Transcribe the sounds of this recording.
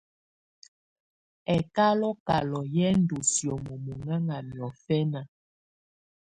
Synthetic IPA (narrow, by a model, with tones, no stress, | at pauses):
ɛ˨ka˦lɔ˦ka̰˨lɔ˨jɛ˦n̩˦do˨sjo˨mo˨mo˨ŋa˦ŋa˨mjɔ˨fɛ˦na˨